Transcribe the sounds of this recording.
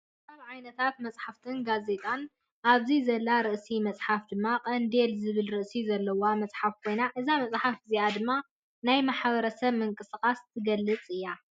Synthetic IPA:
t̪ɐβʕajnɐt̪ʰat̪̚mɐt͡sʼħaft̪ʰɨnɡaze̞t̪ʼan | ʔaβzizɐlːaɾɨʔsimɐt͡sʼħafd̪ɨmːaqʼɐnd̪elzɨβɨlɾɨʔsizɐlːɐwamɐt͡sʼħafkʰo̞jnaʔɨzamɐt͡sʼħafɡɨziad̪ɨmːa | najmaħaβɐɾɐsɐβmɨŋkʼɨskʼast̪ʰɨɡɐlːɨt͡sʼɨjːa

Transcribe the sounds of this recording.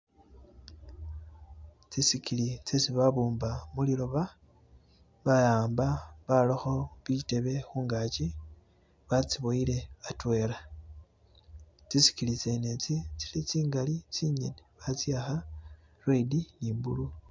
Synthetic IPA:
t͡sisikʰilit͡sesiβaβuːmbamulilo̞βa | βajaːmbaβaloxo̞βite̞βe̞xuːŋɡat͡ʃi | βat͡siβoile̞atwe̞ːɾa | t͡sisi̥kilit͡se̞net͡sit͡si̥lit͡siːŋɡalit͡siɲḛneβat͡sjaxa | rweidiniːmbṵlu

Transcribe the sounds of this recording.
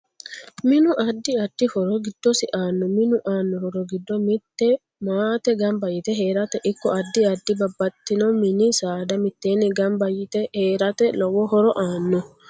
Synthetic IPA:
mɪnʊʔɐd̪ːɪɐd̪̥ːɪhɔɾɔɡɪd̪̥ːɔsɪʔaːnːɔmɪnʊʔaːnːɔɾɔɾɔɡɪd̪ːɔmɪt̪ːɛ | maːt̪ɛɡɐmbɐjːɪt̪ɛɦe̞ːɾɐt̪ɛʔɪkːɔɐd̪ːɪɐd̪ːɪbɐbːɐt̪ːɪnɔmɪnɪsaːd̪ɐmɪt̪ːe̞ːnːɪɡɐmbɐjɪt̪ɛheːɾɐt̪ɛlɔwɔhɔɾɔʔaːnːɔ

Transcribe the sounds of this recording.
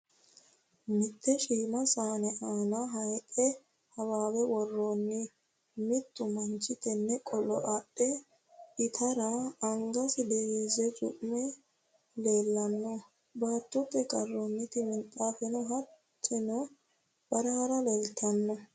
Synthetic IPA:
mɪt̪ʰːɛʃiːmɐsaːnɛʔaːnɐɦɐjkʼɛ | hɐwaːwɛwɔrːonːɪ | mɪt̪ʼːʊmɐnt͡ʃːɪt̪ɛnːɛkʼɔlɔʔɐɗːɛ | ɪt̪ʰɐɾɐːŋɡɐsɪd̪ɛheːzɛt͡ʃʼʊ̰ʔmɛ | leːlːɐnːɔ | baːt̪ːɔt̪ʼːɛkʼɐrːonːɪt̪ɪmɪnt̪ʼːaːfɛnɔɦɐ | t̪ʼːɪnɔ | b̥ɐɾɐhɐɾɐleːlt̪ʰɐnːɔ

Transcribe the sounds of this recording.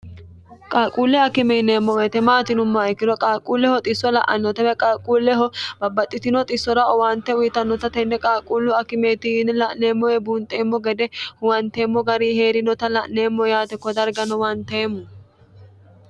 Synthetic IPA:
kʼaːkʼuːlːɛɐkːɪmɛɪneːmːɔweːt̪ɛmaːt̪ɪnʊmːɐɛkːɪd̪ɔkʼaːkʼuːlːɛhɔt̪ʼɪsːɔlɐʔɐnːɔt̪ɐbɛkʼaːkʼuːlːɛɦɔb̥ɐbːɐt̪ʼːɪt̪ɪnɔt̪ʼɪsːɔɾɐɔwant̪ːɛʊjɪt̪ɐnːɔt̪ɐt̪ɛnːɛkʼaːkʼuːlːʊɐkːɪmeːt̪ɪnlɐʔneːmːɔwɛbuːnt̪ʼeːmːɔɡɛd̪ɛhʊwɐnt̪eːmːɔɡɐɾiːhe̞ːɾɪnɔt̪ɐlɐʔne̞ːmːɔjaːt̪ɛkːɔd̪ɐɾɡɐnɔwɐnt̪eːmːɔ

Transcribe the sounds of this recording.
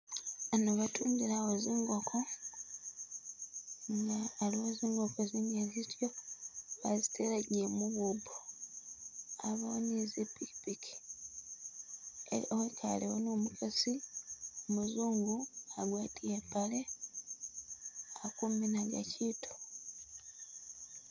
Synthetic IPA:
anoβatʰuːmbiɾawo̞ziːŋɡo̞kʰo̞ | ŋɡaːlioziːŋɡo̞keziːŋɡezitjo | a̰zitʰeɾaɟemuβubo | aβonizipikpiki̥ | eowekʰa̰lewonoːmukʰasiomuzuːŋɡuaɡwaːtʰiepale̞ | akuminaɡa̰citʰu̥

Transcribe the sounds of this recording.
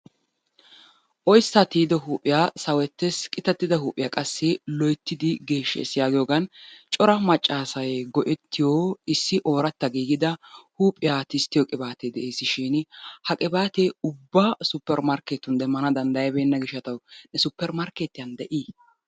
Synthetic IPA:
ʔɔjsːat̪iːd̪ɔɦuːpʼːɪjaːsɐwɛt̪ːeskʼɪt̪ɐt̪ːɪd̪ɐhuːpʼɪjaːkʼɐsːɪlɔjt̪ːɪd̪ɪɡe̞ːʃːɛ̰sɪjaːɡɪjoːɡɐnt͡ʃʼɔɾɐmɐt͡ʃʼːaːsɐjɡɔʔɛt̪ʰːɪjoːɪsːɪʔo̞ːɾɐt̪ːɐɡiːɡɪd̪ɐhuːpʼɪjaːt̪ɪst̪ːɪjɔkʼɪbaːt̪ed̪ɛʔeːsɪʃinhɐkʼɪbaːt̪eʊbːaːsʊpːɛɾmɐɾket̪ːʊnd̪ɛmːɐnɐd̪ɐnd̪ɐjɐbeːnːɐɡɪʃːɐt̪ɐwnɛsʊpːɛɾmɐɾket̪ːɪjɐnd̪ɛʔi

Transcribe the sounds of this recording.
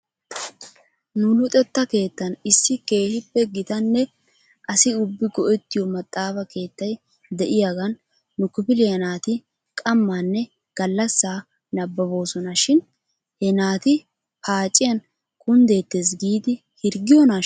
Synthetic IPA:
nʊlʊt̪ʼɛt̪ːɐke̞ːt̪ːɐnɪsːɪke̞ːhɪpːɛɡɪt̪ɐnːɛ | ʔɐsɪʊbːɪɡɔʔɛt̪ːɪjɔmɐt̪ʼːaːfɐke̞ːt̪ːɐj | d̪ɛʔɪjaːɡɐnː | ʊkːɪpɪlɪjɐnaːt̪ɪ | kʼɐmːaːnːɛ | ɡ̥ɐlːɐsːaː | nɐbːɐbo̞ːsɔnɐʃɪn | hɛnaːt̪ɪ | pʰaːt͡ʃʼːɪjɐn | kʰʼʊnd̪e̞ːt̪ːe̞ːs̬ɡiːd̪ɪ | hɪɾɡɪjɔna

